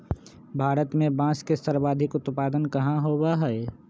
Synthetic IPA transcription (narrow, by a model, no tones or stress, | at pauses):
bʱaːɾət̪mẽbãːskesəɾbaːd̪ʱɪkʊt̪paːd̪ənkəɦãɦoːbaɦɛː